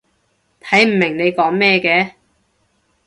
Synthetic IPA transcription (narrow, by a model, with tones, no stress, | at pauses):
t̪ʰɐ˨˥jm̩˨˩mɪ˨˩ŋne˨˧jkɔː˨˥ŋmɛː˥˧kɛː˧